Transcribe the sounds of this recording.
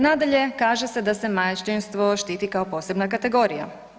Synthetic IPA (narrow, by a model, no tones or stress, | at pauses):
naːd̪aʎe̞kaːʒesed̪ase̞majt͡ʃt̪inst̪ʋo̞ʃt̪iːt̪ikaopo̞ːse̞bnakat̪e̞ɡo̞ːɾija̰